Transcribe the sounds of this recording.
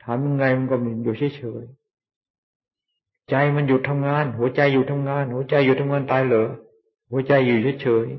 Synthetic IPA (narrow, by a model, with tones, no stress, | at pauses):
t̪ʰaː˨˩˦mja˧ŋːa˧jma˧nkɔː˧˩m˧juː˨˩t͡ɕʰa˧˥˩jt͡ɕʰɤː˨˩˦j | t͡ɕa˧jma˧njuː˨˩t̪ʰa˧mŋaː˧˥˨nhu˩˦ɐt͡ɕa˧jːuː˨˩t̪ʰa˧mŋaː˧˥˩nhu˩˦ɐt͡ɕa˧jːuː˨˩t̪ʰa˧mŋaː˧˥nt̪aː˧jlɤː˨˦ | hu˨˦ɐt͡ɕa˧jːuː˨˩t͡ɕʰa˦˥˩t͡ɕʰɤː˨˩˦j